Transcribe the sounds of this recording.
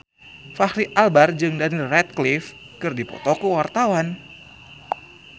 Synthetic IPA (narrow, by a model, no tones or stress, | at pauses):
fahɾiʔalbard͡ʒɨŋdanilrɛt̪̚klif | kɨrdipɔ̰t̪okuwart̪awan